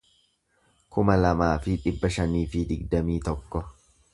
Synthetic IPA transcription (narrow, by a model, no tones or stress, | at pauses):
kʊmɐlɐmaːfɪᶑɪbːɐʃɐniːfɪd̪ɪɡd̪ɐmiːt̪ɔkːɔ